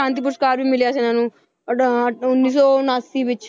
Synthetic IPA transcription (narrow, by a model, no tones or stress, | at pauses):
ãːnt̪̬iːp̬uɾskaːɾbʱimɪlijaːs̬enaːnũ | ʊnːiːsɔːnaːsiːʋɪt͡ʃ